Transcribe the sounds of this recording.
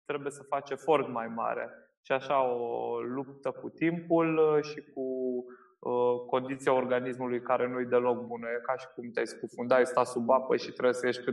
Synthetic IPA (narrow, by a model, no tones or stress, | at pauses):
t̪ɾe̞buje̞səfat͡ʃe̞fo̞rt̪majma̰ɾḛ | ʃiaʃaolup̚t̪əkut̪impulʃiku | ko̞nd̪it̪sijao̞rɡanismulujkaɾe̞nujejd̪e̞lo̞k̚bunəjekaʃi̥kumt̪asʲkufund̪ajst̪asubapəʃit̪ɾebjesəje̞ʃt̪̚ʲkɨ